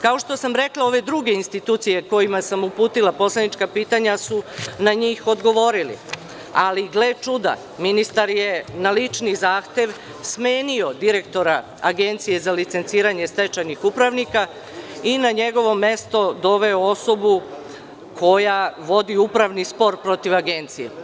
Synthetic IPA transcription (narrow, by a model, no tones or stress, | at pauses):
kao̞ʃt̪o̞samɾe̞klao̞ʋe̞d̪ɾuɡe̞inst̪it̪uːt̪sije̞ko̞jimasamupuːt̪ilapo̞sled̪nit͡ʃkapiːt̪aɲasunaɲiːxo̞d̪ɡo̞ʋo̞ɾilḭ | aliɡlet͡ʃud̪a̰ | minist̪aɾjenalit͡ʃnizaːxt̪e̞ʋ | sme̞ːnio̞d̪iɾe̞kt̪o̞ɾa | aɡe̞nt̪sije̞zalit̪sent̪siːɾaɲe̞st̪e̞t͡ʃanixupɾaʋnika | inaɲe̞ɡo̞ʋo̞me̞st̪o̞d̪o̞ʋe̞oo̞so̞bu | kʰo̞jaʋo̞d̪iupɾaʋnispo̞ɾpɾo̞t̪iʋaɡe̞nt̪sijḛ